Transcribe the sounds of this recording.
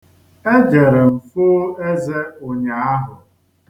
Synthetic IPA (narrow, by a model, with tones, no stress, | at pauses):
e˦d͡ʒe˨ɾe˨m̩˨fʊ˦e˦ze˦o˨ɲa˨a˦ɦʊ˨